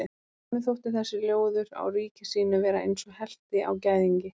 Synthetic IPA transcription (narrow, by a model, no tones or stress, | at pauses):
nɪθowht̪ɪθɛsːɪljoːwðʏɾa̰wɾiːcɪsiːnʏvɛːɾaʔḛjnsɔɣhɛl̥t̪ɪa̰wcaːjðiɲcɪ